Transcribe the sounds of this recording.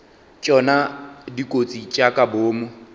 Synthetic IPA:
t͡ʃʼɔnadikʼot͡sʼit͡ʃʼakʼaboːmʊ

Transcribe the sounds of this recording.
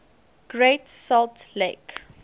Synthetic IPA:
ɡ̥ɹetsɔltlek

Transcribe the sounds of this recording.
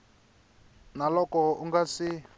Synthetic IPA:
nalɔkɔuŋɡasi

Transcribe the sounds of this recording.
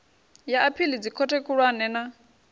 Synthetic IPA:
jaʔapʰilid͡zikʰɔtʰɛkʰuɺwanɛːna

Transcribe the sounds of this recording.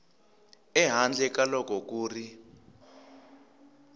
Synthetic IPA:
ɛɦand͡ɮʱɛk̬alɔk̬ʼɔk̬ʼuːri

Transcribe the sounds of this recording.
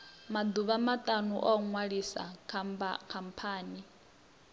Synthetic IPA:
mad̪uβamatʼanuʔɔŋwaɺisa̰kʰmbakʰampʰaːni

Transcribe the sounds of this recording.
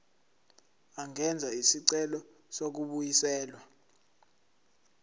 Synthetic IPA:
aŋɛnd͡zʱaisiǀɛlɔ | sok̬uɓujisɛːlwa

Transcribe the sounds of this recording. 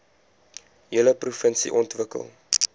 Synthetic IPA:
ɦiəələprufənsḭʔɔntvəkə̰lˠ

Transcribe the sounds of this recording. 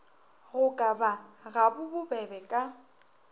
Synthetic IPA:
ɣʊkʼabaɣabʊbʊbɛbɛkʼa

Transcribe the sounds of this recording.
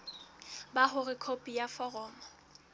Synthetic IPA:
baɦʊrɪkʰopʼijafɔrɔːmɔ

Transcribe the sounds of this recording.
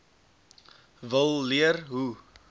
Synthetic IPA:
vəlˠliərɦu

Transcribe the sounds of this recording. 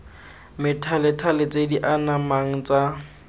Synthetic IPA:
mɪtʰalɪtʰalɪt͡sʼediʔanamaŋ̩t͡sʼa

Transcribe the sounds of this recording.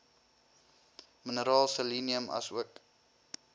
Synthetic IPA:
mənəɾɑːlˠsəliːniəmɐ̰suək

